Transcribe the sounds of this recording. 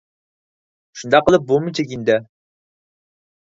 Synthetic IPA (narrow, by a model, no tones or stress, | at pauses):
ʃund̪ɑqəlˠəp̚bomɨt͡ʃekʲind̪ɛ